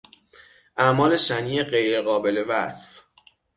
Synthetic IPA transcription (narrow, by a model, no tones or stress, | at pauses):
ʔæʔmɒːle̞ʃæniːeɢe̞jɾeɣɒːbe̞le̞væsf